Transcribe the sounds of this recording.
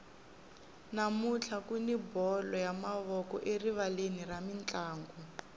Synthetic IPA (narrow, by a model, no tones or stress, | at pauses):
namut͡ɬʰakunibɔlɔjamaβɔkɔʔeriβaleniramint͡ɬʼaːŋɡɔ